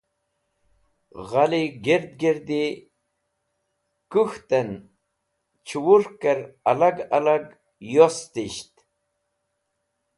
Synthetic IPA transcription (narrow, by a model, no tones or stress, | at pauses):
ʁaliɡeɾd̪̚ɡeɾd̪i | kuxt̪en | t͡ɕʰuwuɾkəɾalaɡalaɡ | jost̪iɕt̪